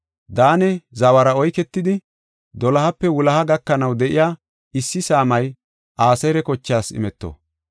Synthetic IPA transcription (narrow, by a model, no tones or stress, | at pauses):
d̪aːnɛzɐwɐɾɐɔjkɛt̪ːɪd̪ɪ | d̪ɔlɐhɐpːɛwʊlɐhɐɡɐkːɐnɐwd̪ɛʔɪjaː | ɪsːɪsaːmɐj | ʔaːsɐjɾɛkɔt͡ʃːaːsɪ̰mɛt̪ːo̰